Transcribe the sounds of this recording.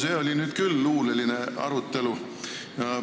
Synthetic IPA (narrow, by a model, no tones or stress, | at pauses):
se̞ːo̞lʲinyːd̪̥kylːuːleline̞ɑ̰ɾut̪ːˑe̞lu | jɑ